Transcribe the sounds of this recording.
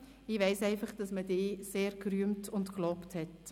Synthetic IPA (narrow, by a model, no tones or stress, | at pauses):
ɪʋɛɪsɛɪfɑχd̥ɑsmədeːseːɾkɾyəmtʊntklɔːpthɛt